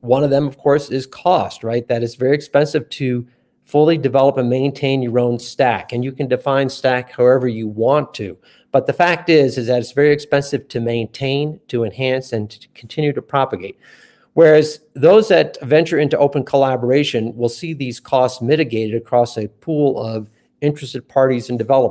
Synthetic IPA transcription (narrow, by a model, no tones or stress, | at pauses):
wʌ̃nʌvðə̃mʌv̥kʰɔɹsɪz̥kʰɔst̚ɹaɪt̪̚ðɨɾɨzvɛɹiɨkspɛ̃nsɨv̥tʰɨ | fʊlˠidɨvɛlˠəpɨ̃nmẽɪ̃ntʰẽɪ̃njə˞õʊ̃nstækɨ̃njɨkɨ̃ndɨfãɪ̃nstækhaʊɛvə˞jɨwɑ̃ntʰʉ | b̥ʌt̪̚ðɨfæk̚tɪzɨzðɨɾɨtsvɛɹiɨkspɛ̃nsɨv̥tʰɨmẽɪ̃ntʰẽɪ̃ntʰɨɨ̃nɦæ̃nsɨ̃nkʰn̩tʰɪ̃njʉɾɨpʰɹ̥ɑpɨɡeɪt̚ | wɛ˞ɨzðoʊzðɨt̚vɛ̃nt͡ʃə˞ɪ̃ntʉʔoʊpə̃nkʰəlæbə˞eɪʃɨ̃nwɪlˠsiðiz̥kʰɔstsmɪɾɨɡeɪɾɨɾɨkʰɹ̥ɔsɨpʰulˠʌv | ɪ̃nt͡ʃɹ̥ɨstɨd̚pʰɑɹɾizɨ̃n̩dɨvɛlˠəp̚